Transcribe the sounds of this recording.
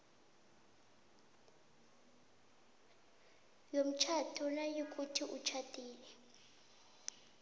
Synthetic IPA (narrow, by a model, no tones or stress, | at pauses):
jom̩t͡ʃʰatʰɔnajok̬ʼutʰiʔut͡ʃʰatʼiːlɛ